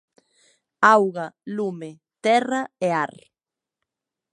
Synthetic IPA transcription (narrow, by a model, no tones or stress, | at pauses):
awɣalume | t̪ɛraeaɾ